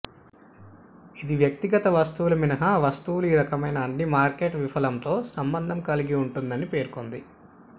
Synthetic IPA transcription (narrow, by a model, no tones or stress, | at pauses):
id̪iʋjɐk̚t̪iɡɐt̪ɐʋɐst̪uʋulɐminɐɦɐʋɐst̪uʋuluiːɾɐkɐmɐjnɐːɳːimaːɾke̞ːʈʋifɐlɐmt̪o̞ːsɐmbɐnd̪ʱɐmkɐliɡiuɳʈund̪ɐnipe̞ːɾkond̪i